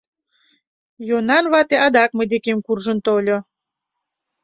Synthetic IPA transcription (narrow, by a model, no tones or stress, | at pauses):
jonɑnβɑt̪eʔɑd̪ɑkməd̪ekemkurʒə̆nt̪olʲo